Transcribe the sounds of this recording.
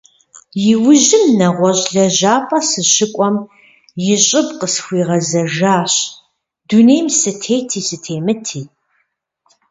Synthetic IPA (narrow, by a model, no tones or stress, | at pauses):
jɪwʊʑɪmnɐʁʷɔɕʼɮɐʑaːpʼɐsɨɕɪkʷʼɔm | jɪɕʼɪbqəsxʷiːʁɐzɐʒaːɕ | dunejmsɨtʰeːtʰiːsɨtʰeːmɨtʰiː